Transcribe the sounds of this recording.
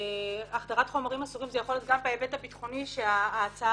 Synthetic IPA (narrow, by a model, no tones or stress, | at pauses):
aχdaʁatχo̞maʁimasuʁimzejaχolet̪̚ɡambaevetapitχo̞niʃʃeaːt͡sa